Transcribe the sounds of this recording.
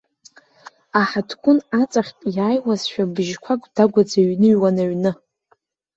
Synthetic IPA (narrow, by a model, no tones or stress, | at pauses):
aħatʰkʷʼʊnat͡sʼaχʲpʼjaːjwazʃᶣabɨʒkʷʰakʷʼdaɡʷad͡zaɥnɨɥwanaɥnɨ